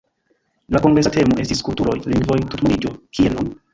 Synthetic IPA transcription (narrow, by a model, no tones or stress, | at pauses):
lako̞ŋɡɾe̞sate̞moʔe̞stiskultuɾo̞jliŋɡvo̞jtutmoɾid͡ʒokienun